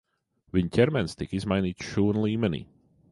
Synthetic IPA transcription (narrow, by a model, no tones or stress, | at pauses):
viɲcʲɛɾmɛnst̪ikizmajniːt̪sʃuːnlˠiːmɛnʲḭː